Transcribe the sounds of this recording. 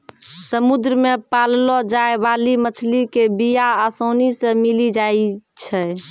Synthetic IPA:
səmud̪ɾəmepallɔd͡ʒaebalimət͡ʃʰlikebijaːsonisemilid͡ʒait͡ʃʰɛ

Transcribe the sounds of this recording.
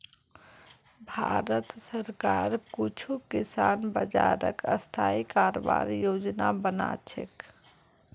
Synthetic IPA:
bʱaɾət̪səɾkaɾkut͡ʃʰukisanbəd͡ʒaɾə̰kəst̪ʰaikaɾobaɾjod͡ʒnabəna̰t͡ʃʰḛk

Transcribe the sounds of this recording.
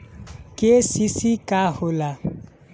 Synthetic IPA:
kesisikahʊla

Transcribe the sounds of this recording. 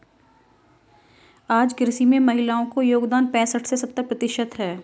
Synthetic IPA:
aːd͡ʒɡɪɾsimẽmɐɦɪlaːõkojoːɡd̪aːnpɛ̃ːsəʈʰsesɐb̚t̪əpɾɐt̪ɪʃət̪ɦɛː

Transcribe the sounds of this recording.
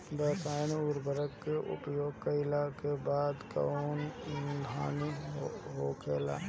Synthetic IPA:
bəːsaːnuɾbəɾəkːeʔʊ̰pjoːɡ̚kaɪlakebaːd̪ka̰ond̪ʱaːniɦoːkʰeːla̰ː

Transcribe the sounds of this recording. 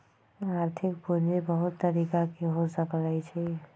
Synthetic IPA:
aːɾt̪ʰɪkpuɾnebəɦʊt̪ːəɾiːkakeɦod͡ʒnapəɽajt͡ʃʰi

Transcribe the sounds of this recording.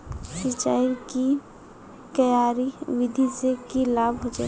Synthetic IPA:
sɪt͡ʃaːiki | k̪əjaɾiwid̪ʱisekilabʱɦod͡ʒa̰ː

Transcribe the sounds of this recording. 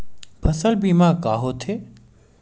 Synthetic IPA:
pʰɐsəlbiːmaːkaːɦoːt̪ʰeː

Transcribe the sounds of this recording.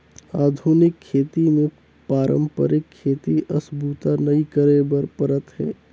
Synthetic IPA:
aːd̪ʱunɪkʰːeːt̪imẽ | paːɾə̰̃mpə̰ɾɪkʰːeːt̪iʔɐsbʱuːt̪anɐikəɾebəɾpəɾət̪ɦɛ̰ː

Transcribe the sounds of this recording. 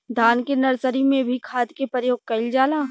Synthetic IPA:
d̪ʱaːnkenɐɾsəɾimẽbʱikʰaːd̪kepɾəjoːɡ̚kɐɪld͡ʒaːlaː

